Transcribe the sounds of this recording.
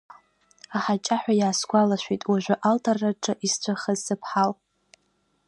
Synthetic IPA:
aħat͡ʃʼaħʷᶣajaːsɡʷalaʃʷᶣitʼwaʒʷᶣaʔaltʼarːaʈ͡ʂʼaʔist͡ɕʷʰaχəzɨpʰħal

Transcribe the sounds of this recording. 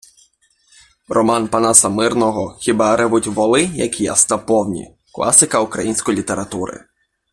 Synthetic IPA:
rɔmɑnpɐnasɐmɪrnɔɦɔxʲibɑɾɪʋʊtʲʋɔlˠɪjɐkʲija̰st̪ɐpɔwnʲḭ | klˠɑ̰sɪkɐukɾɐjinʲsʲkɔjlʲit̪eɾɐt̪uɾɪ̰

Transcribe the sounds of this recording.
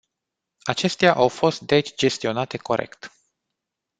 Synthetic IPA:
at͡ʃe̞st̪eaʔawfo̞st̪̚d̪e̞t͡ʃʲd͡ʒe̞st̪io̞nat̪e̞ko̞ɾʔe̞̰kt̪

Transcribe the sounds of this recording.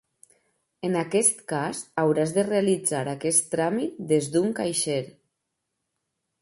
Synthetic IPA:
ənakɛst̪kazawɾazðerealid͡zaɾakɛst̪ɾamit̪̚d̪ezd̪uŋkajʃeɾ

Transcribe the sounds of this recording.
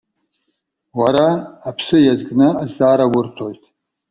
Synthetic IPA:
waɾaːpʰsɨjazɡʼnɨazaːɾawʊrtʰojtʰʼ

